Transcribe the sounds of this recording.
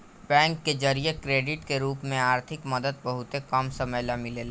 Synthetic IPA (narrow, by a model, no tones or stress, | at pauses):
bɛ̃ːŋkːed͡ʒəɾijekɾeːɖɪʈkeɾuːpmẽaːɾt̪ʰɪkmɐd̪əd̪̚bɐɦʊt̪ekamsɐməjlamɪlelː